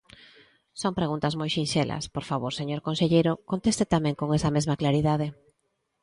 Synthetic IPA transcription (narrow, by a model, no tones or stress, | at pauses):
soŋpɾeɣunt̪ɐzmojʃĩnʃelʔɐ̰spoɾfaβoɾseɲoɾkõnseʎejɾʊkont̪est̪et̪amɛ̃ŋkoŋɛsɐmezmɐklaɾiðaðe